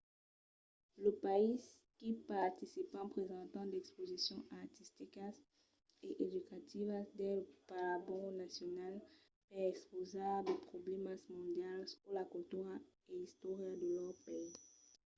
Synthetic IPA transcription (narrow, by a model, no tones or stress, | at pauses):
ləpais | kipaʁt̪isipɑ̃pχezɑ̃t̪ɑ̃d̪ɛkspozisjɔ̃ʔaʁt̪ist̪ikas | eʔed̪ykat̪ivasd̪ɛlpaʁabɔ̃nasjɔnal | pɛɛkspozad̪epχoblɛmasmɔ̃d̪jalsulakylt̪yʁa | eist̪ɔʁjad̪əlœʁpei